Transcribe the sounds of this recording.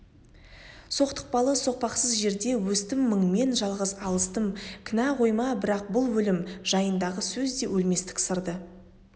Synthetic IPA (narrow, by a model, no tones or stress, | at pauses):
so̞qt̪ə̥q̚pɑlˠəso̞q̚pɑqsəzʒe̞ɾd̪e̞wɵst̪ɪmːəɴme̞nʒɑlˠʁəzɑlˠəst̪əmkʲʰɪnæʁʰo̞jmɑbɪɾɑq̚bʊlˠwɵlɪmʒ̥ɑjənd̪ɑʁəsɵzd̪e̞wɵlme̞st̪ɪ̥ksəɾd̪ə